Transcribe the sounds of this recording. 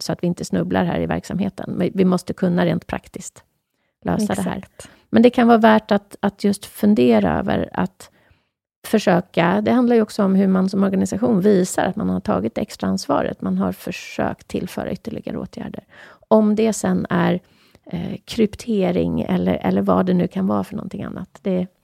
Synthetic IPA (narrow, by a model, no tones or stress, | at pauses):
sɔat̪vɪɪnt̪əsnɵblaɾɦæːɾɪvæ̰ɾksamheːt̪ʰənmɪvɪmɔst̪əkʰɵnːaɾeːnt̪̚pʰɾa̰kt̪ɪskt̪ | lø̰ːsad̪ɛɦæ̰ːɾ | mɛnd̪ɛkʰanvɑːvæːʈat̪at̪ʰjɵst̪fɵnd̪eːɾaø̰ːvə̰ɾa̰t̪ | fœʂøːkad̪ɛɦand̪laɾjɵɔksɔɔmɦɵmansɔmɔɾɡanɪsaɧuːnviːsaɾʔat̪manhaʈʰɑ̰ːɡɪt̪ɛ̰kst̪ɾaansvɑ̰ːɾə̰t̪manɦaɾfœʂø̰ːkt̪ʰːɪlːfœ̰ːɾa̰ʏt̪ːəɭɪɡaɾəo̰ːt̪ʰjæ̰ːɖəɾɔmd̪ɛsɛnːæɾ | kʰɾʏpt̪ʰeːɾɪ̰ŋɛ̰lːə̰ɾʔɛ̰lːəɾvad̪ɛnʉ̟ːkʰanvɑːfœɳɔ̰nt̪ʰɪŋa̰nːat̪d̪ɛ